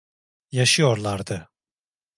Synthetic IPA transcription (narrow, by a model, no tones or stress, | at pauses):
jaʃɯjo̞ɾlˠaɾd̪ɯ